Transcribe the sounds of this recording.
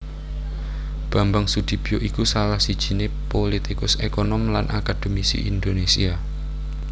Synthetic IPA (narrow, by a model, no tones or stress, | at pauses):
b̥ä̤mbaŋsud̪̥i̤b̥i̤joʔikusalahsid̥ʒ̥i̤nepolit̪ikʊsekɔnɔmlanʔa̰kad̪̥omisḭʔind̪onesḭa